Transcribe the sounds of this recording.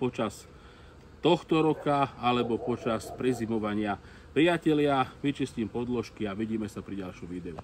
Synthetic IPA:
pɔt͡ʃas | t̪ɔxt̪ɔɾɔkaalɛbɔpɔt͡ʃaspɾizimɔʋaɲɪa | pɾijacɛlɪaʋit͡ʃisciːmpɔd̪lɔʃkiaʋiɟiːmɛsapɾiɟalʃɔmʋiːd̪ɛu

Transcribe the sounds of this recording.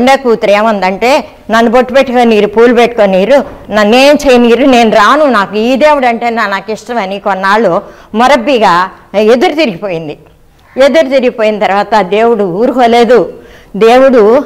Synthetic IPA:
ɳɖekuːt̪ɾeːmɐnd̪ɐɳʈe̞ː | nɐnːuboʈːupeʈːukoːniiːɾupuːlupeʈːu̥koːnːiːɾunɐneːjɐmt͡ʃejiniːɾune̞ːnuɾaːnunaːkuiːd̪e̞ːwuɽɐɳʈeːnanaːkiʂʈɐmɐnikɔnːaːɭːoːmɔɾɐbːiɡaːe̞d̪uɾut̪iɾiɡipo̞ːjind̪i | e̞d̪uɾut̪iɾiɡipo̞ːjinɐt̪ɐɾuʋaːt̪ɐd̪e̞ːwuɽuuːɾukoːle̞ːd̪u | d̪e̞ːwuɽu

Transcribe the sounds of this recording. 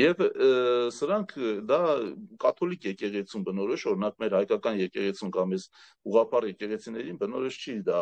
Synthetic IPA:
jɛv | səɾɑŋkʰd̪ɑkɑt̪ʰɔlikjɛkɛʁɛt͡sʰumbənɔɾɔʃɔɾɛnɑkmɛɾhɑjkɑkɑnjɛkɛʁɛt͡sʰumkɑmɛz | uʁɑpʰɑrjɛkɛʁɛt͡sʰinɛɾinbənɔɾɔʃt͡ʃʰid̪ɑ

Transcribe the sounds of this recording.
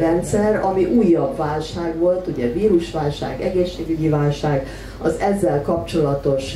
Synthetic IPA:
rɛnt̪sɛrɒmiʔuːjːɒbvaːlʃaːɡʋo̞lt̪uɟɛviːɾuʃʋaːlʃa̰ːɡɛɡeːʃːeːɡyɟivaːlʃaːɡ | ɒzɛzːɛlkɒpt͡ʃo̞lɒt̪o̞ʃ

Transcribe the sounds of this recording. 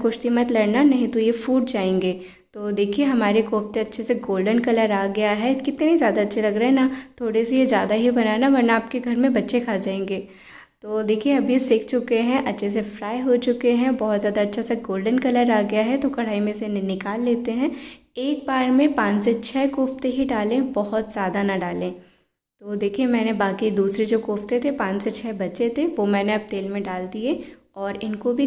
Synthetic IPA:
kʊʃt̪imɐt̪lɐɽnanɐɦĩt̪ojefuːɖ̚d͡ʒaːẽːŋɡeː | t̪oːd̪eːkʰieɦɐmaːɾekoːft̪eɐtːʃʰeseɡoːlɖənkɐləɾaːɡɐjaɦɛkɪt̪neɦĩzjaːd̪aɐtːʃʰelɐɡɾɐɦɛ̃nat̪ʰoːɽesejezjaːd̪aɦibɐnaːenaʋɐɾnaːp̚keɡʱɐɾmẽbɐtːʃekʰaːd͡ʒaːẽːŋɡeː | t̪oːd̪eːkʰieɐbʱjesɪk̚ʰt͡ʃʊkeɦɛ̃ʔɐtːʃʰes̬efɾaːeɦot͡ʃʊkeɦɛ̃bɔɦɔt̪zjaːd̪aɐtːʃʰaseɡoːlɖənkɐləɾaːɡɐjaɦɛt̪okɐɽ̤aːimẽsennɪkaːlːeːt̪eɦɛ̃ | eːk̚baːɾmẽpãːt͡ʃset͡ʃʰɛːkʊːft̪eɦiɖaːlẽbɔɦʊt̪z̥jaːd̪anɐɖaːlẽː | t̪oːd̪eːkʰiemɛ̃ːnebaːkid̪uːsɾed͡ʒoːkʊːft̪et̪ʰepãːt͡ʃset͡ʃʰɛːbɐtːʃet̪ʰeʋomɛ̃ːneɐb̚t̪eːlmẽɖaːld̪ie | ɔːɾɪnkobʱi

